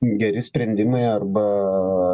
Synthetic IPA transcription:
ɡʲɛɾʲɪsʲpʲɾʲɛnʲd̪ʲimɐɪɐrbɐ

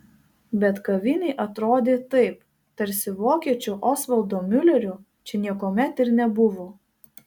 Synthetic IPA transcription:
bʲɛt̪kɐʋʲɪnʲɛɪʔɐt̪ɾoːd̪ʲeːt̪ɐɪp | t̪ɐɾʲsʲɪʋoːkʲiɛt͡ʃʲʊʔɔːsʋɐlˠd̪oːmʲʊlʲɛɾʲʊ | t͡ʃʲɛnʲiɛkoːmʲɛt̪ɪɾnʲɛbʊʋoː

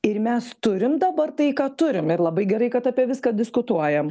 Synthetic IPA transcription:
ɪɾmʲɛst̪ʊɾʲɪmd̪ɐbɐrt̪ɐɪkɑːt̪ʊɾʲɪmɪɾlˠɐbɐɪɡʲɛɾɐɪkɐt̪ɐpʲiɛʋʲɪskɑd̪ʲɪskʊt̪uɔjɛm

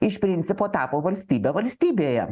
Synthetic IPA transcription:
ɪʃʲpʲɾʲɪnʲt̪sʲɪpoːt̪ɑːpoːʋɐlʲsʲt̪ʲiːbʲeʋɐlʲsʲt̪ʲiːbʲeːjɛ̰

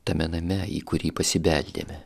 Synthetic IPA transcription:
t̪ɐmʲɛnɐmʲɛḭkʊɾʲiːpɐsʲɪbʲɛlʲd̪ʲḛːmʲɛ

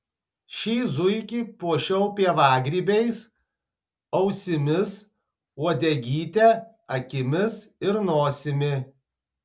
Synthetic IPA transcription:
ʃʲiːzʊɪkʲiːpuɔʃʲɛʊpʲiɛʋɑːɡɾʲiːbʲɛɪs | ɒʊsʲɪmʲɪs | uɔd̪ʲɛɡʲiːt̪ʲɛ | ɐkʲɪmʲɪsɪɾnoːsʲɪmʲɪ

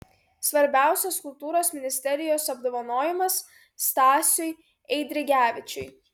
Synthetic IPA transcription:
sʋɐɾʲbʲæˑʊsʲɛskʊlˠt̪uːɾoːsmʲɪnʲɪsʲt̪ʲɛɾʲɪjoːsɐbd̪oːʋɐnoːjɪmɐsː | t̪ɑːsʲʊj | ɛɪd̪ʲɾʲɪɡʲæːʋʲɪt͡ʃʲʊj

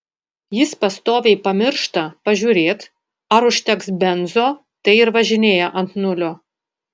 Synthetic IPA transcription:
jɪspɐst̪oːʋʲɛɪpɐmʲɪɾʃt̪ɐpɐʒʲuːɾʲeːt̪ | ɐɾʊʃʲt̪ʲɛksbʲɛnzoː | t̪ɐɪɪɾʋɐʒʲɪnʲeːjɛʔɐnt̪nʊlʲoː

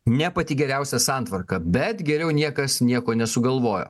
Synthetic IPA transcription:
nʲɛpɐt̪ʲiːɡʲɛɾʲæˑʊsʲɛsɑːnt̪ʋɐɾkɐbʲɛt̪ɡʲɛɾʲɛʊnʲiɛkɐsnʲiɛkoːnʲɛsʊɡɐlˠʋoːjo̰ː

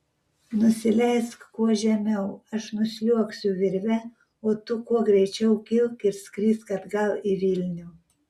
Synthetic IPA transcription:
nʊsʲɪlʲɛɪskkuɔʒʲɛmʲɛʊɐʃnʊsʲlʲuɔksʲʊʋʲɪɾʲʋʲɛ | oːt̪ʊkuɔɡɾʲɛɪt͡ʃʲɛʊkʲɪlˠkɪɾsʲkɾʲiːskɐd̪ɡɐlˠɪʋʲɪlʲnʲu

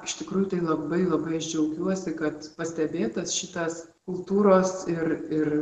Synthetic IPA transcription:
ɪʃt̪ʲɪkɾuːjʊt̪ɐɪlˠɐbɐɪlˠɐbɐɪɐʃd͡ʒʲɛʊkʲuɔsʲɪkɐt̪pɐsʲt̪ʲɛbʲeːt̪ɐsʃʲɪt̪ɐs | kʊlˠt̪uːɾoːsɪrɪr

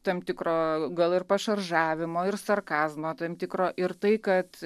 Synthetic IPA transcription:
t̪ɐmt̪ʲɪkɾoːɡɐlˠɪrpɐʃɐrʒɑːʋʲɪmoːɪrsɐrkɑːzmoːt̪ɐmt̪ʲɪkɾoːʔɪrt̪ɐɪkɐt̪

